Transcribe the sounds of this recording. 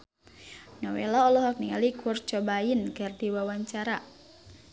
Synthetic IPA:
nɔwḛlaɔlɔɦak̚niŋalikɔrt͡ʃɔbainkɨrdiwawaɲt͡ʃaɾa

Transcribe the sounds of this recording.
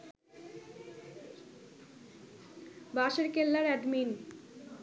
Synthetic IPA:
baʃeɾkelːaɾɛɖmin

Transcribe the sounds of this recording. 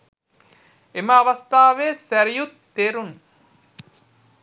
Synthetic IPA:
emɐːʋɐst̪aːʋeːsæɾijut̪ːeɾun

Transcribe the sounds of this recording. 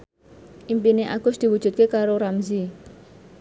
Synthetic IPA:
ʔimpineʔaɡ̥ʊsd̪̥i̤wud̥ʒ̥ṳt̪̚kekaɾoɾamzi

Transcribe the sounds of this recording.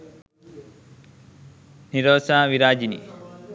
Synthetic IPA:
niɾoːsaːʋiɾaːd͡ʒinḭ

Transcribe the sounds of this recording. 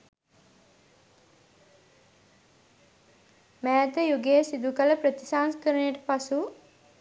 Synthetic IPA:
mæːt̪əjuɡejəsid̪ukələpɾət̪isaːnskəɾənejəʈəpasu

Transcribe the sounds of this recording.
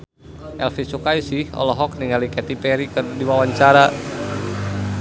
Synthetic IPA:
ʔɛlfisukaisihɔ̰lɔɦɔk̚niŋalikɛt̪ipɛɾikɨrdiwawaɲt͡ʃaɾa

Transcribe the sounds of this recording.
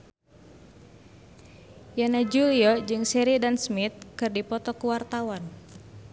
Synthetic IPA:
janad͡ʒuliɔd͡ʒɨŋsɛɾidansmit̪̚kɨrdipɔt̪ɔkuwart̪awan

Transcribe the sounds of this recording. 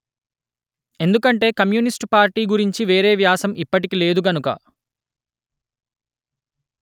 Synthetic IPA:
e̞nd̪ukɐɳʈe̞ːkɐmjunisʈpaːɾʈiːɡuɾiɲt͡ʃiʋe̞ːɾe̞ːʋjaːsɐmipːɐʈikile̞ːd̪uɡɐnukɐ̰

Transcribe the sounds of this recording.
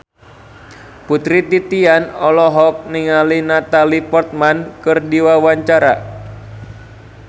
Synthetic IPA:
put̪ɾit̪it̪ianɔlɔɦɔk̚niŋalinat̪alipɔrt̪̚mankɨrdiwawaɲt͡ʃaɾa̰

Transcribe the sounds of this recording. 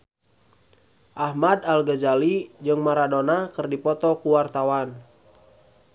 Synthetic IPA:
ʔahmadalɡəd͡ʒalid͡ʒɨŋmaɾadonakɨrdipɔt̪ɔkuwart̪awan

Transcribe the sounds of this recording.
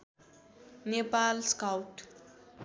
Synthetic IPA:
nepalskawʈ

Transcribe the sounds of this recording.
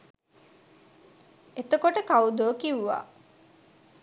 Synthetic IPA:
et̪əkoʈəkaud̪oːkiwʋa̰ː

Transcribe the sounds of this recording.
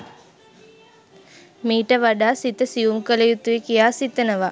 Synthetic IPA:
miːʈəʋaɖaːsit̪əsiumkəlejut̪uʋikijaːsit̪ənəʋa

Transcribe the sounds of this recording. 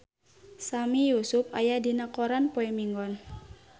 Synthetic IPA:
samijusʊpajadinakoɾanpoɛmiŋɡɔn

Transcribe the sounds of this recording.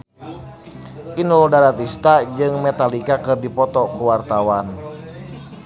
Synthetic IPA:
ʔinuldaɾat̪ist̪ad͡ʒɨŋmɛt̪alikakɨrdipɔt̪ɔkuwart̪awan

